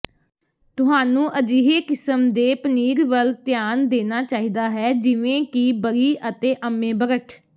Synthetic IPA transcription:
t̪ʊɦaːnũːʔəd͡ʒiːɦeːkɪsəmd̪eːpəniːɾʋəlt̪jaːnd̪eːnaːt͡ʃaːiːd̪aːɦɛːd͡ʒɪʋẽːkibəɡiːʔət̪eːʔəmẽːbəɡəʈ

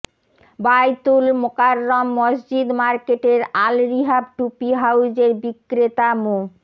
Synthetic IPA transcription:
bajt̪ulmokaɾːomːɔsd͡ʑid̪maɾkeʈeɾalɾiɦab̚ʈupiɦawd͡ʑeɾbikːɾet̪amo

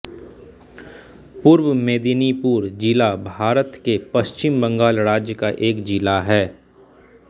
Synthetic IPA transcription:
puɾwəmeːd̪inipuːɾd͡ʒɪlabʱaːɾət̪kepɐʃt͡ʃɪmbə̃ŋɡaːlɾaːd͡ʒjəkaʔeːkd͡ʒɪlaɦɛː

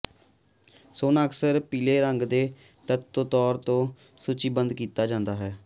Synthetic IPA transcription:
soːnəksəɾpiːleːɾəŋɡd̪eː | t̪ət̪ːõːt̪ɔːɾt̪õː | suːt͡ʃiːbənd̪kiːt̪aːd͡ʒãːnd̪aːɦɛː

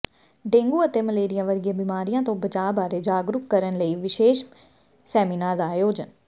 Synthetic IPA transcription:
ɖẽːŋɡuːət̪eːməleːɾɪjãːʋəɾɡjaːbɪmaːɾijãːt̪õːbət͡ʃaːbaːɾeːd͡ʒaːɡɾʊkkːəɾənləiːʋɪʃeːʃ | sɛːminaːɾd̪aːjoːd͡ʒən

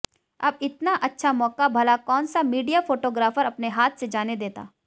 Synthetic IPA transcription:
ɐbɪt̪naʔɐtːʃʰamɔːkabʱɐlakɔːnsamiːɖijafoːʈoːɡɾaːfəɾɐpneɦaːt̪ʰsed͡ʒaːned̪eːt̪a̰ː

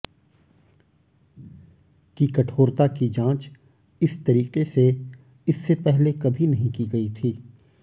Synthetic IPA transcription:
kikɐʈʰoːɾt̪akid͡ʒãːt͡ʃ | ɪst̪ɐɾiːqese | ɪsːepɛɦlekɐbʱinɐɦĩkiɡɐit̪ʰiː

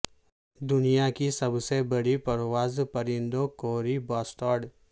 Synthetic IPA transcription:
d̪ʊnijakisɐbsebɐɽipɐɾwaːzpɐɾɪ̃nd̪õkoːɾibaːsʈɔːɾɖ

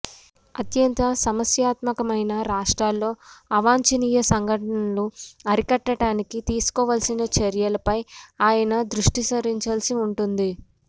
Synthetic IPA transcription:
ɐt̪jɐnt̪ɐsɐmɐsjaːt̪mɐkɐmɐjnɐɾaːʂʈɾaːlːo̞ːɐʋaːɲt͡ʃɐniːjɐsɐŋɡʱɐʈɐnɐnluɐɾikɐʈːɐʈaːnikit̪iːsu̥kɔːʋaːlsinɐt͡ʃɐɾjɐlɐpɐjaːjɐnɐd̪ɾuʂʈisɐɾiɲt͡ʃaːlsiuɳʈund̪i

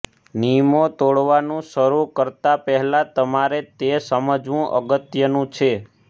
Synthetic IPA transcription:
nimot̪oɭʋanũʃəɾukəɾt̪apɛɦɛlat̪əmaɾet̪esəməd͡ʒʋũʔə̰ɡət̪jənũt͡ʃʰe

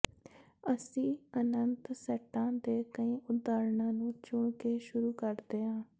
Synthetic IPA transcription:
əsĩːənənt̪sɛʈːãːd̪eːkəĩːʔʊt̪d̪aːɾɳãːnũːt͡ʃʊɳkeːʃʊɾuːkəɾd̪eːɦãː

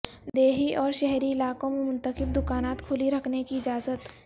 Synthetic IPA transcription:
d̪eːɦiʔɔːɾʃɛɦɾiɪlaːkõmẽmʊ̃nt̪əxɪb̚d̪ʊkaːnaːt̪kʰʊliɾɐkʰnekiɪd͡ʒaːzət̪

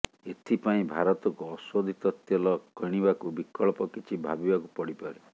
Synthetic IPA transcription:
et̪ʰipaĩbʱaɾɔt̪ɔkuɔswɔd̪ʱit̪ɔt̪jɔlɔkɔɽ̃ibakubikɔɭpɔkit͡ʃʰibʱabibakupɔɽipaɾe

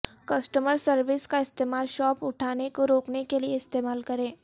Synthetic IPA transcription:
kɐsʈəməɾsɐɾʋɪskaɪst̪eːmaːlʃɔːpʊʈʰaːnekoɾoːknekelieɪst̪eːmaːlkɐɾẽː

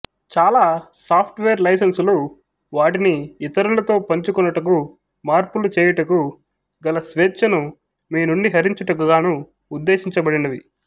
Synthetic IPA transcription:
t͡ʃaːlaːsaːpʰʈʋeːɾlɐjs̬ɐnsloː | ʋaːʈiniːt̪ɐɾulɐt̪o̞ːpɐɲt͡ʃukɔnːɐʈɐku | maːɾpulut͡ʃɛːjɐʈɐku | ɡɐlɐsʋeːt͡ʃːɐnu | miːnuɳɖiɦɐɾiɲt͡ʃɐʈɐk̬uɡaːnuː | d̪ːe̞ːʃiɲt͡ʃɐbɐɽinɐʋi

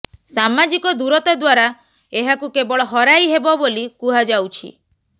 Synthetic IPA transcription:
samad͡ʒikɔd̪uɾɔt̪ɔd̪waɾa | eɦakukebɔɭɔɦɔɾajɦebɔbolikuɦad͡ʒawt͡ʃʰḭ

